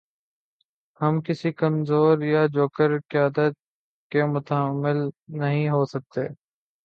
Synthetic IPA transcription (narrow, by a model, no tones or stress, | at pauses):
hɐmkɪsikɐmzoːɾjad͡ʒoːkəɾkɪjaːd̪ət̪̚ | kemʊt̪əɦəmːɪlnɐɦĩɦoːsɐk̚t̪eː